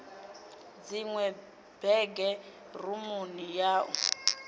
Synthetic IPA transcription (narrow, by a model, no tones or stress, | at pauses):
d͡ziŋwɛ | b̥ɛɡɛ | rumunijaːʔu